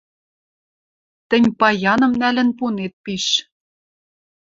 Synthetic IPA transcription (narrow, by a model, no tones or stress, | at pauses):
t̪ɘ̆nʲpɑjɑnɤ̆mnælɘ̆npunet̪̚piʃ